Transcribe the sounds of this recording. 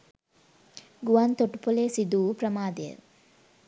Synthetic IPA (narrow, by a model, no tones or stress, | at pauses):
ɡuʋant̪oʈu̥poleːsid̪uːpɾəmaːd̪eə̰